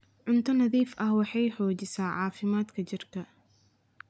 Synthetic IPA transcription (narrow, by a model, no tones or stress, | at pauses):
ʕʊnt̪ʰɐnɐðiːfʔɐhwɑħɑjħɔːt͡ʃɪsaːʕɑːfɪmaːd̪kʰɐt͡ʃɪrkʰɐ